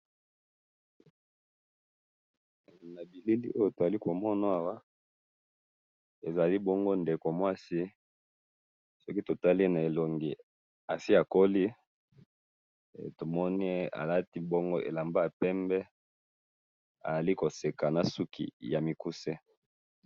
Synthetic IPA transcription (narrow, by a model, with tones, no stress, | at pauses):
na˨bi˨li˦ldi˦ʔo˦jo˦to˨za˨li˦ko˨mɔ˦na˦a˦˨wa˦ | e˨za˨li˦bɔ˦ŋɡo˦nde˨ko˨mwa˦si˦ | sɔ˦ki˦to˨ta˦li˦na˨e˨lo˨ŋɡi˨ | a˨si˦a˨ko˦li˦ | to˨mɔ˦ni˦e˦a̰˨la˦ti˦bɔ˦ŋɡo˦ʔḛ˨la˨mba˦a˨pɛ˦mbɛ˦ | a̰˨za˨li˦ko˨se˨ka˨na˨su˦kʰḭ˨ja˨mi˨ku˦se˦